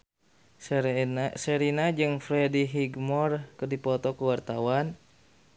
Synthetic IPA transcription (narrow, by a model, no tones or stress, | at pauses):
səɾinad͡ʒɨŋfɾɛdiɦiɡmɔrkɨrdipɔt̪ɔkuwart̪awan